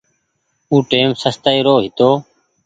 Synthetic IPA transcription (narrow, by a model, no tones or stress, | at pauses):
uːʈeːmsəst̪əiːɾoːɦɪt̪oː